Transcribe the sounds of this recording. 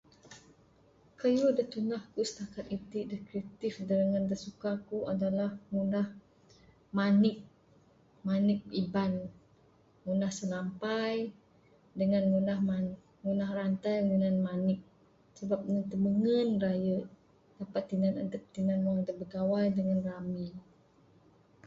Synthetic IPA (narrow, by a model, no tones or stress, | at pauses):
kəjudaht̪unahkusə̥t̪akat̪̚it̪iʔdahkɾit̪ɪfdaɾəŋand̪asukakuʔadalahŋunah | manɪk̚ | manɪk̚iban | ŋunahsəlampaj | dəŋanmunahman | ŋunahrant̪ajŋunanmanɪk̚ | səbap̚nət̪əməŋənrajəʔ | dapat̪ːinanadəp̚t̪inanuaŋd̪əbəɡawajdəŋanrami